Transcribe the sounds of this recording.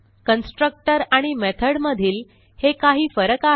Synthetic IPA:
kənsʈɾək̚ʈəɾaɽ̃imet̪ʰəɽməd̪ʱiːl | hekaɦiːfəɾəka

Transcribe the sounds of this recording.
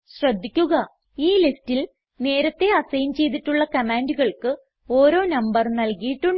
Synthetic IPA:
ɕrɐd̪ʱːikʲːuɣɐ | iːlistil | ne̞ːɾɐt̪ːe̞ɐsɐjmt͡ɕe̞jt̪̬iʈːuɭːɐkɐmaːnduɣɐɭkɨ | o̞ːɾo̞ːnɐmbɐrnɐlkijiʈːuɳ

